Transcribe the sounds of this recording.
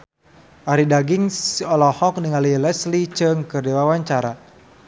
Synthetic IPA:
ʔaɾidaɡiŋsɔlɔhɔk̚niŋalilɛslit͡ʃɨŋkɨrdiwawaɲt͡ʃaɾa

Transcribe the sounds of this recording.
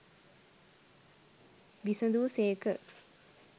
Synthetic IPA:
ʋisəd̪uʋseːkə̰

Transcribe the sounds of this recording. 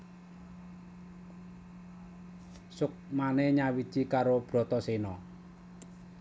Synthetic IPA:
sʊk̚manɛɲawid̥ʒ̥i̤kaɾob̥ɾɔ̤t̪ɔsenɔ

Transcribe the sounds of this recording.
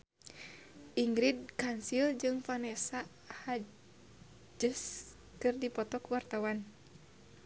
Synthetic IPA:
ʔiŋɡɾid̚kansild͡ʒɨŋfanɛsa | ha | d͡ʒɨs | kɨrdipɔt̪ɔkwart̪awan

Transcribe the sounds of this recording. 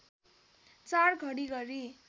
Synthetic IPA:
t͡sarɡʱʌɽiɡʌɾi

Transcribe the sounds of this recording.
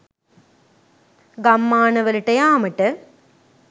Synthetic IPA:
ɡɐmːaːnɐʋɐlʈːɐjaːmɐʈːɐ

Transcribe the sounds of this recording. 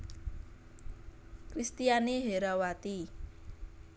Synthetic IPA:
kɾist̪ijaniɦeɾawat̪i

